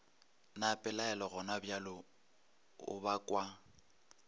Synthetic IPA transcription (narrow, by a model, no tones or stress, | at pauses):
napʼɪlaɛlɔɣɔnabjalɔ | ʊ̰bakʼwa